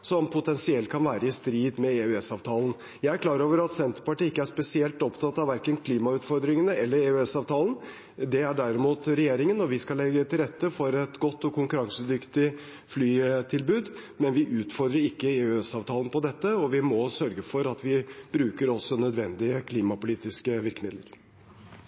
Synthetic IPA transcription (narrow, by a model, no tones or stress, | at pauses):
sɔmpʰʊt̪ʰɛnsɪɛlt̪̚kʰɑnʋæːɾəɪst̪ɾiːd̪mɛeʉɛsɑːʋt̪ʰɑːln̩ | jæɪæɾkʰlɑːɾoːʋəɾɑt̪sɛnt̪əɾpɑʈiːɪkːəæʂpɛsɪɛlt̪ɔpt̪ʰɑt̪ɑʋæɾkənkʰliːmɑʉːt̪fɔɾd̪ɾɪŋənəɛlːəɾɛʉɛsɑːʋt̪ʰɑːlˠən | d̪ɛæɖæɾɪmuːt̪ɾɛjeːɾɪŋənɔʋɪskɑlɛɡːət̪ʰɪlɾɛt̪ːəfɔɾɛt̪ɡɔt̪ːɔkʊŋkʉɾɑŋsəd̪ʏkt̪ɪ | flyːt̪ʰɪlbʉːd̪mɛnʋɪʔʉːt̪fɔɾd̪ɾəɾɪkːəeʉɛsɑːʋt̪ʰɑːlnpɔd̪ɛt̪ːəɔʋɪmɔsœɾɡəfɔɾɑt̪ʋɪb̥ɾʉːkəɾɔsːɔnœd̪ʋɛnd̪ɪəkʰliːmɑpʊliːt̪ɪskəʋɪɾkəmɪd̪lə̰ɾ